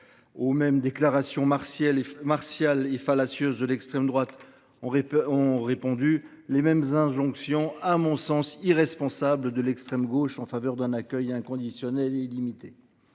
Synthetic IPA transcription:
omɛmd̪eklaʁasjɔ̃asɛlmaʁsjalefalasjøzd̪əlɛkst̪χɛmd̪ʁwat̪ | ɔ̃ʁepɔ̃d̪y | lemɛmzɛ̃ʒɔ̃ksjɔ̃amɔ̃sɑ̃siʁɛspɔ̃sabləd̪əlɛkst̪χɛmɡoʃɑ̃favœʁd̪ɛ̃nakʲœjɛ̃kɔ̃d̪isjɔnɛlelimit̪e

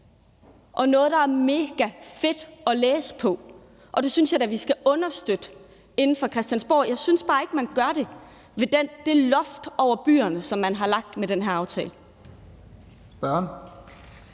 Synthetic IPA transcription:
ʔɒ̽nɔ̽ːð̞̩ˠd̥ɑ̈æɐme̝ːɡ̥æfe̝d̥ɒ̽leːsə̥pʰɒ̽ | ʔɒ̽d̥e̝synsjɑ̈ɪd̥æʋisɡ̥æʔɔ̽nɐsd̥ød̥ə | e̝nn̩fɒ̽kʰʁɛsd̥jænsb̥o̰ɐ̰ːjɑ̈ɪsynsb̥ɑ̈ːe̝ɡ̥əmænɡ̥ɶɐɾ̥e̝ | ʋe̝d̥end̥e̝lɒ̽fd̥ɒʊ̰ɐb̥y̰ːɐnəsɒ̽mːænɦɑ̈lɑ̈ɡ̥̚d̥meɾenɦæɐɑ̈ʊt͡sʰɛ̰ːlə | sb̥ɶɐn

